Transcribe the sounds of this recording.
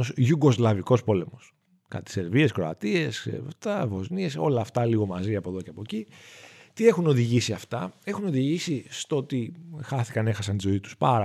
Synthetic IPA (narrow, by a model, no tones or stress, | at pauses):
osʝuɡo̞zlɐviko̞spo̞le̞mo̞s | kɐ̰t̪i̥se̞ɾvie̞skɾo̞ɐt̪ie̞st̪ɐvo̞znie̞so̞̰lɐːft̪ɐliɣo̞mɐziɐpo̞ðo̞ceɐpo̞cit̪ie̞xuno̞ðiʝisiɐft̪ɐe̞xuno̞ðiʝisist̪oot̪ixɐθi̥kɐne̞xɐsɐnt̪izo̞it̪u̥spɐɾɐ